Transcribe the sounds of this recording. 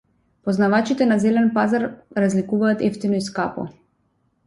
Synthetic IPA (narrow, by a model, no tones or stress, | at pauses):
pɔznavat͡ʃit̪ɛnazɛlɛnpazaɾɾazlikuvaːt̪ɛ̰ft̪inɔiskapɔ̰